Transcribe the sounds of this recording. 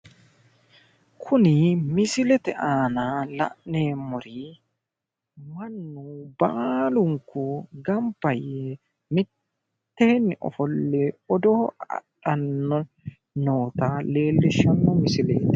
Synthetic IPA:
kʰʊnɪmɪsɪlɛt̪ɛʔaːnɐlɐ̰ʔne̞ːmɔɾi | mɐnːʊbalʊŋkːʊɡɐmpːɐjɛ | mɪt̪ː | eːnːɪʔɔ̰fɔlːɛɔd̪ɔɐ̰ɗɐnːɔ | noːt̪ɐle̞ːlːɪʃːɐnːɔmɪsɪlḛːt̪

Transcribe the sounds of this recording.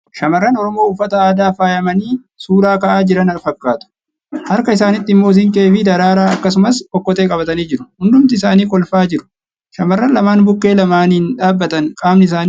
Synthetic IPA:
ʃɐmɐrːɐnɔɾɔmo̞ːʊfːɐt̪ɐaːd̪aːfaːjɐmɐniː | suːɾaːkɐʔaːd͡ʒɪɾɐnɐlfɐkːaːt̪ʊ̥ | hɐɾkɐɪsaːnɪt̪ːɪɪmːo̞ːs̬ɪŋkʼeːfɪd̪ɐɾaːɾaːɐkːɐsʊmɐsʔɔkːɔt̪eːkʼɐbɐt̪ɐniːd͡ʒɪɾʊhʊnd̪ʊmt̪ɪɪsaːniːkʼɔlfaːd͡ʒɪɾʊ̥ | ʃɐmɐrːɐnlɐmaːnbʊkːe̞ːlɐmaːnɪnᶑaːbːɐt̪ɐŋkʼaːmnɪɪs̬aːn

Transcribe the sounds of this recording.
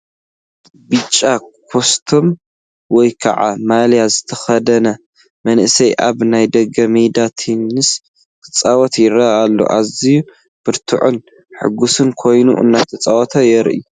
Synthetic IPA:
bɨt͡ʃʼːakʰost̪ʰom | wɔjkʰɐ̰ʕa̰maljazɨt̪ʰɐxɐd̪ɐnɐ | mɐnʔɨsɐjʔaβnajd̪ɐɡɐmed̪at̪ʰinɨs | kʰɨt͡sʼawɔt̪jɪɾɐalːo̰ʔaziju | b̥ɨɾt̪ʰɨ̰ʕʊn | ħɨ̰ɡusɨnkʰo̞jnṵʔɨ̰nːat̪ʰɐt͡sʼawɔt̪ʰɐjɛɾʔḭju

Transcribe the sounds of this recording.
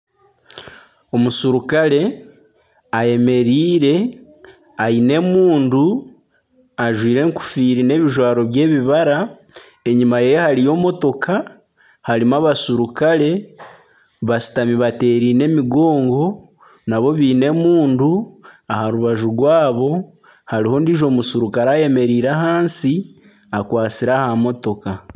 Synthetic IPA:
o̞musuɾukaɾe̞ | aje̞me̞ɾiːɾe̞ | ajine̞muːndu | aʒwiːɾe̞ŋku̥fiːɾine̞βiʒwaːɾo̞βje̞ːβiβaɾa | e̞ɲimajejehaɾijo̞ːmo̞to̞kʰa | haɾimaβasuɾukaɾe̞ | βasi̥tamiβate̞ːɾine̞miɡo̞ːŋɡo̞ | naβo̞βiːne̞muːnduahaɾuβaʒuɡwaːβo̞ | haɾiho̞ndiʒo̞musuɾukaɾaje̞me̞ɾiːɾaɦaːnsi | akwaːt͡siɾahamo̞to̞ka

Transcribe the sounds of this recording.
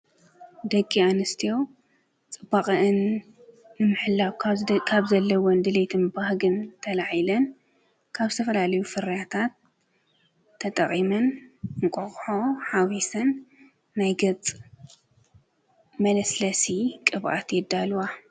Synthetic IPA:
d̪ɐkʼːianɨst̪ʰijo̞w | t͡sʼɨbaχʼɐʔɨnː | ɨmɨħɨlːawkʰaβzɐlːɐwɔnd̪ɨlet̪ʰɨnbahɡɨnt̪ʰɐlaʕjilɐn | kʰaβzɨt̪ʰɐfɐlalɐjufɨɾjat̪ʰat̪̚ | ɐt̪ʼɐχʼimɐnɨŋkʷʼoxʼħoħawisɐnː | ajɡɐt͡sʼ | mɐlɐslɐsikʼɨβʔa̰t̪jɛd̪ːalwa

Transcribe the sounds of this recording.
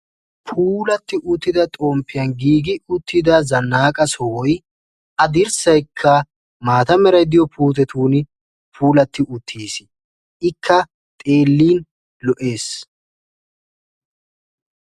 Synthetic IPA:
pʰuːlɐt̪ːɪʔʊt̪ːɪd̪ɐt̪ʼoːmpːɪjɐnɡiːɡɪʊt̪ʰːɪd̪ɐzɐnːaːkʼɐsɔwɔj | ʔɐd̪ɪɾsɐjkʰːɐ | maːt̪ɐmɛɾɐjd̪ɪjɔpʰuːt̪̬ɛt̪ʰuːn | pʰuːlɐt̪ːɪʔʊt̪ʰːiːsɪ | ɪkʰːɐ | t̪ʼe̞ːlːiːn | lɔʔe̞ːs

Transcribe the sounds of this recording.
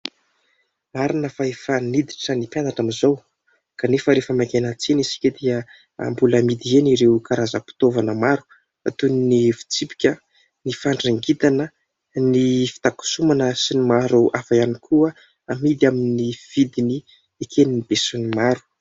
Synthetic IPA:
maɾinəfaefanid̪i̥ʈ͡ʂənipjanaʈ͡ʂamizow | kanefəɾefəmakenət͡senisi̥kʲəd̪iə | a̰mbuləmid̪ieniɾeukaɾazəpi̥t̪ovanəmaɾu̥ | at̪uninivi̥t͡sipi̥kʲə | nifaɳɖ͡ʐiŋɡit̪anə | nifi̥t̪aku̥sumanəsinimaɾuafajanikʰuə | amid̪aminiv̥id̪ini | ekʰeninib̥esunimaɾu̥

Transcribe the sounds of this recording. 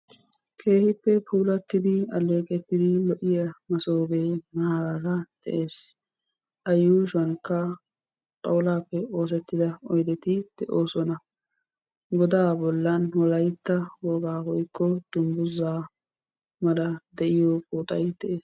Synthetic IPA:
kʰe̞ːhɪpːɛpʰuːlɐt̪ːɪd̪ɪɐlːe̞ːkʼɛt̪ːɪd̪ɪlɔʔɪjɐmɐsoːɡeːnɐhaɾaːɾɐd̪̥ɛ̰ʔe̞ːs | ʔɐjːuːʃɐnkːɐ | t̪ʼɐwlaːpːɛo̞ːs̬ɛt̪ːɪd̪ɐɔjd̪ɛt̪ɪd̪̥ɛʔoːsɔnɐ | ɡɔd̪aːbɔlːɐnwɔlɐjt̪ːɐwɔɡaːhɔjkːɔd̪̥ʊmbʊzaː | mɐlɐd̪ɛʔɪjoːkʼuːt̪ʼɐjd̪̥ɛʔeːs

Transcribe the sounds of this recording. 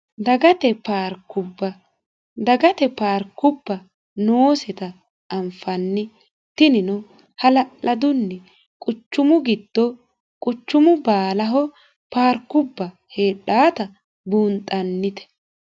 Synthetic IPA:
d̪ɐɡɐt̪ɛpaːɾkːʊbːɐ | d̪ɐɡɐt̪ɛpaːɾkːʊbːɐ | noːsɛt̪ɐː | mfɐnːɪ | t̪ɪnɪnɔ | hɐlɐlɐd̪ʊnːɛ | kʼʊt͡ʃːʊmʊɡɪd̪̥ːɔ | kʼʊt͡ʃːʊmʊbaːlɐɦɔ | paːɾkːʊbːɐ | heːɗaːt̪ɐ | buːnt̪ʼɐnːɪt̪ɛ̥

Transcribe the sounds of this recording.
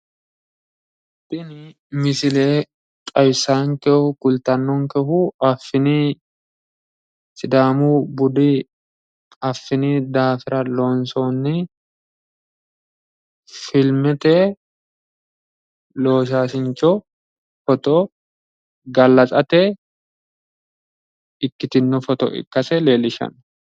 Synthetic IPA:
bɪnɪ | mɪsɪleː | kʼɐjsaːŋkɛhʊkʊlt̪ɐnːɔŋkɛhʊɐfːɪni | sɪd̪aːmuːbʊd̪ɪ | ɐfːɪnid̪aːfɪɾɐloːnsoːnːɪ | fɪlmɪt̪ɛː | lo̞ːʃ̬aːsɪnt͡ʃɔ | fɔt̪ɔ | ɡɐlːɐt͡sʼɐt̪e | ɪkːɪt̪ɪnːʊfɔt̪ɔ̰ʔɪ̰kːɐsɛle̞ːlɪʃɐ̰n

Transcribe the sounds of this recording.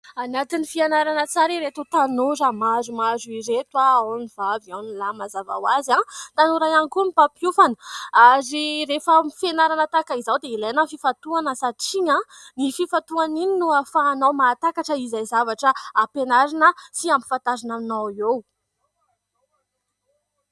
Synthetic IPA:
anat̪inifianaɾanət͡saɾiɾet̪ut̪anozamazumazuiɾet̪waaniv̥aviawnlamazava̰wazat̪anuɾajanikumipapiufanəaziɾefəmifenaɾanət̪akaizawd̪eilanəfifat̪uanəsaʈ͡ʂiɲã | nififat̪uanininuafaːnawmaːt̪akaʈ͡ʂəizajzavaʈ͡ʂəapenaɾinəsiampi̥fant̪azanaminawew

